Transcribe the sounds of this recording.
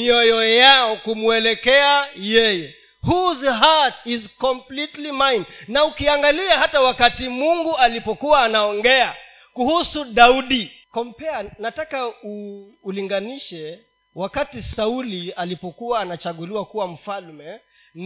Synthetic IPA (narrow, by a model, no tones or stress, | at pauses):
iɔjɔjaɔkumuɛlɛkɛajɛjɛ | huzɦatizkɔmplitlimajnnaukiaŋɡaliahatawakatimuŋɡualipɔkuwaːnaɔŋɡɛa | kuhusuɗauɗi | kɔm̩pɛanatakauː | liŋɡaniʃɛ | wakatisaulialipɔkuaːnat͡ʃaɠuliwakuwam̩falmɛ | n